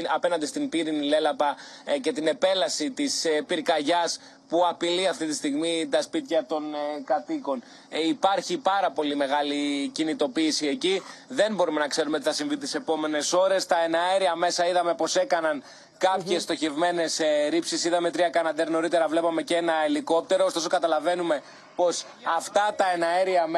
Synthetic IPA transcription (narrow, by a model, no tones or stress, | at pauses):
ɐpe̞nɐnd̪ist̪impiɾinile̞lɐpɐce̞t̪ine̞pe̞lɐsit̪ispiɾkɐʝɐs | puɐpiliɐft̪it̪ist̪iɣmit̪ɐspit̪çɐt̪o̞nkɐt̪iko̞n | ipɐɾçipɐɾɐpo̞lime̞ɣɐlicinit̪o̞piːsie̞ciðe̞nbo̞ɾume̞nɐkse̞ɾumeot̪iθɐsiɱvit̪i̥se̞po̞me̞ne̞so̞ɾe̞st̪ɐe̞nɐeɾiɐme̞sɐiðɐme̞po̞se̞kɐnɐn | kɐpçe̞st̪o̞çe̞vme̞ne̞sɾipsisiðɐme̞t̪ɾiɐkɐnɐd̪eɾno̞ɾit̪e̞ɾɐvle̞pɐme̞cenɐeliko̞p̚t̪e̞ɾo̞ːst̪o̞so̞kɐt̪ɐlɐve̞nume̞ | po̞s | ɐft̪ɐt̪ɐe̞nɐeɾiɐm